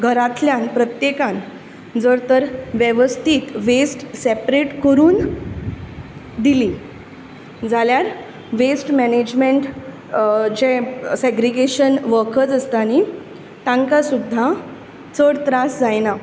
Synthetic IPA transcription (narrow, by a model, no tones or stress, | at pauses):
ɡʱəɾat̪ljãnpɾət̪jekãn | d͡zəɾt̪əɾʋjeʋəst̪ʰiːt̪ʋesʈsepɾeʈkəɾuːn | d̪ili | d͡zʱaljaɾ | ʋesʈmɛned͡ʑmeɳʈ | d͡ʑesɛɡɾiɡeɕənʋəkʰət͡səst̪ani | t̪ãŋkasud̪ʱːa | t͡səɽt̪ɾasd͡zajna